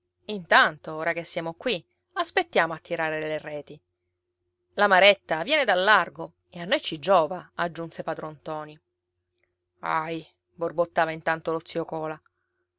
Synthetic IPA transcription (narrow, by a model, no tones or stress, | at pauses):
int̪ant̪ooːɾakesːjaːmokwi | aspet̪ːjaːmoat̪ːiɾaːɾeelerɛːt̪i | lamaɾɛt̪ːavjɛːned̪alːarɡo | eanːojt͡ʃid͡ʒːɔːvaad͡ʒːunsepad̪ɾont̪ɔːni | a̰j | borbot̪ːaːvaint̪ant̪olot̪sːiokɔːla